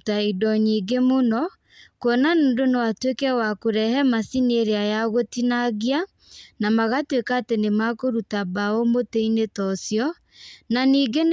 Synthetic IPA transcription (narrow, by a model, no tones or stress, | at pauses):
taidɔɲiɡemonɔ | kwɔnanondonewatwekɛwakoɾɛhɛmasineɾeajaɣotinaɣia | namaɣatwekaːtenemakoɾutabaomoteinetɔsjɔ | naniːɡen